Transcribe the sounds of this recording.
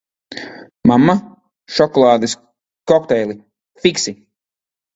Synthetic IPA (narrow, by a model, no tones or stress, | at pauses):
mamːa | ʃɔkɔlˠɑːd̪ɨs | kɔkt̪ɛjlˠi | fiksi